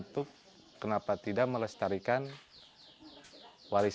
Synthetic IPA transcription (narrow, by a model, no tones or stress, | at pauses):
nt̪ʊkː | ənapat̪idaʔ̚mələst̪aɾikan | waɾi